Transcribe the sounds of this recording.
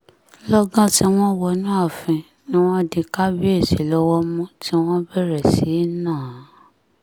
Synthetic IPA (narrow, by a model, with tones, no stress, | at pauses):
lɔ˦ɡã˦ti˧˦w̃ɔ̃˦wɔ˧nũ˦a˦˨fĩ˧ | ĩ˦w̃ɔ̃˦˧˨di˧ka˦bi˦e˦˨ʃe˨˦lɔ˦wɔ˦mũ˦ti˦w̃ɔ̃˦bɛ˦˨ɾɛ˨si˨˦nãː˦˨˦